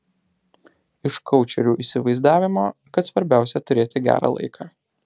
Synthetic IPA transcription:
ɪʃkɒʊt͡ʃʲɛɾʲuːʔiːsʲɪʋɐɪzd̪ɑːʋʲɪmoːkɐt̪sʋɐɾʲbʲæˑʊsʲɛt̪ʊɾʲeːt̪ʲɪɡʲæ̰ːɾɑ̰ːlˠɐ̰ɪkʰɑː

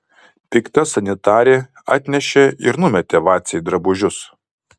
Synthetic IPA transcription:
pʲɪkt̪ɐsɐnʲɪt̪ɑːɾʲeː | ɑ̰ːt̪ʲnʲɛʃʲeɪɾnʊmʲɛt̪ʲeʋɑːt̪sʲɛjd̪ɾɐbʊʒʲʊs

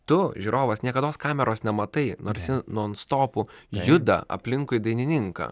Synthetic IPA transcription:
t̪ʊʒʲuɾoːʋɐsnʲiɛkɐd̪oːskɑːmʲɛɾoːsnʲɛmɐt̪ɐɪnoːɾʲsʲɪnoːnst̪oːpʊjʊd̪ɐ̰ɐ̰pʲlʲɪŋkʊɪd̪ɐɪnʲɪnʲɪŋkɐ̰ː

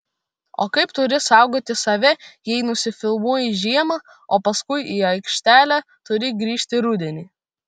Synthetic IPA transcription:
o̰ːkɐɪpt̪ʊɾʲɪsɑˑʊɡoːt̪ʲɪsɐʋʲɛjɛɪnʊsʲɪfʲɪlˠmuɔjɪʒʲiɛmɑː | oːpɐskʊɪiɐɪkʃʲt̪ʲæːlʲæː | t̪ʊɾʲɪɡɾʲiːʃʲt̪ʲɪɾʊd̪ʲɛnʲiː

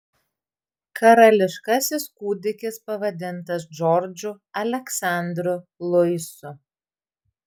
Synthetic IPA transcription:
kʰɐɾɐlʲɪʃkɐsʲɪskuːd̪ʲɪkʲɪspɐʋɐd̪ʲɪnt̪ɐsd͡ʒɔɾd͡ʒʲʊ | ɐlʲɛksɑˑnʲd̪ɾʊlˠʊɪsʊ

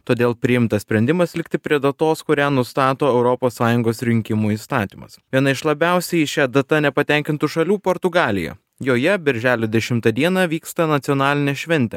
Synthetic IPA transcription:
t̪oːd̪ʲeːlˠpʲɾʲɪjɪmt̪ɐssʲpʲɾʲɛnʲd̪ʲɪmɐslʲɪkt̪ʲɪpʲɾʲiɛd̪ɐt̪oːskʊɾʲæːnʊst̪ɑːt̪oːɛʊɾɔpoːsːɑːjʊŋɡoːsɾʲɪŋʲkʲɪmuːiːst̪ɑːt̪ʲiːmɐ̰sʋʲiɛnɐɪʃlˠɐbʲɛˑʊsʲɛɪʃʲæd̪ɐt̪ɐnʲɛpɐt̪ʲɛˑŋʲkʲɪnt̪ʊʃɐlʲuːpoːɾt̪ʊɡɑːlʲɪ̰jɛ̰ | joːjɛbʲɛɾʲʒʲæːlʲod̪ʲɛʃʲɪmt̪ɐd̪ʲiɛnɑʋʲiːkst̪ɐnɐt̪ʲɪɔːnɑːlʲɪnʲeːʃʲʋʲɛnʲt̪ʲɛ

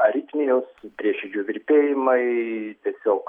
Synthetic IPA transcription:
ɐɾʲit̪ʲmʲɪnʲʊspʲɾʲiɛʃʲɛd͡ʒʲuːʋʲɪɾʲpʲeːjɪmɐɪt̪ʲiɛsʲoːk

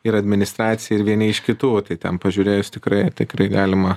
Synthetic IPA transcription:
ɪɾɐdʲmʲɪnʲɪst̪ɾɑːt̪sʲɪjɛɪɾʋʲiɛnʲɛɪʃkʲɪt̪uːt̪ɐɪt̪ʲɛnpɐʒʲʊɾʲeːjʊst̪ʲɪkɾɐɪt̪ʲɪkrɐɪɡɑːlʲɪmɐ

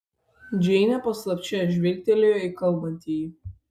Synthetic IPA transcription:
d͡ʒʲɛɪnʲɛpɐslˠɐpʲt͡ʃʲɛʒʲʋʲɛlʲk̚ʲt̪ʲɛlʲejoɪkɐlˠˑbɐnʲt̪ʲiːj

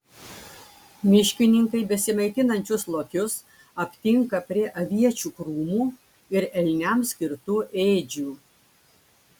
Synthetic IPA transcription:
mʲɪʃʲkʲɪnʲɪŋkɐɪbʲɛsʲɪmɐɪt̪ʲɪnɐnʲt͡ʃʲʊslˠokʲʊs | ɐpʲt̪ʲɪŋkɐpʲɾʲiɛʔɐʋʲiɛt͡ʃʲuːkɾuːmuː | ɪɾɛlʲnʲɛmsʲkʲɪɾt̪uːʔeːd͡ʒʲuː

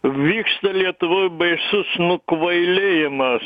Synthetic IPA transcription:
ʋʲiːkst̪ɐlʲiɛt̪ʊʋoːjbɐɪsʊsnʊkʋɐɪlʲeːjɪmɐs

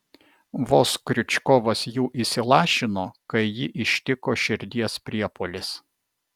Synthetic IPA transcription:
ʋoːskɾʲʊt͡ʃʲkɔʋɐsjuːʔisʲɪlˠɑːʃʲɪnoːkɐɪjɪʔɪʃʲt̪ʲɪkoːʃʲɪɾʲd̪ʲiɛspʲɾʲiɛpoːlʲɪs

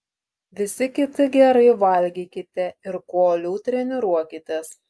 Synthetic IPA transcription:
ʋʲɪsʲɪkʲɪt̪ʲɪɡʲɛɾɐɪʋɐlʲɡʲiːkʲɪt̪ʲɛɪɾkoːlʲuːt̪ʲɾʲɛnʲɪɾuɔkʲɪt̪ʲɛs

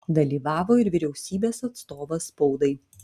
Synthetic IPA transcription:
d̪ɐlʲiːʋɑːʋoːɪɾʋʲɪɾʲɛʊsʲiːbʲeːsɐt̪st̪oːʋɐspɔʊd̪ɐɪ

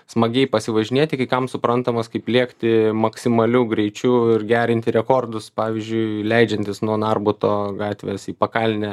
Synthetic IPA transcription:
smɐɡʲɛɪpɐsʲɪʋɐʒʲɪnʲiɛt̪ʲɪkɐɪkɐmsʊpɾɐnt̪ɐmɐskɐɪplʲiɛkt̪ʲɪmɐksʲɪmɐlʲuːɡɾʲɛɪt͡ʃʲuɪrɡʲæːɾʲɪnʲt̪ʲɪɾʲɛkoːrd̪ʊspɑːʋʲɪzʲd͡ʒʲʊɪlʲɛɪd͡ʒʲɛnʲt̪ʲɪsnuɔnɑrbʊt̪oːɡɑːt̪ʲʋʲeːsiːpɐkɑlʲnʲɛ

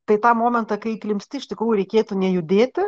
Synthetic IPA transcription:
t̪ɐɪt̪ɑːmoːmʲɛnt̪ɐkɐɪklʲɪmʲsʲt̪ʲɪɪʃʲt̪ʲɪkɾuːjʊɾʲɛɪkʲeːt̪ʊnʲɛjʊd̪ʲeːt̪ʲɪ

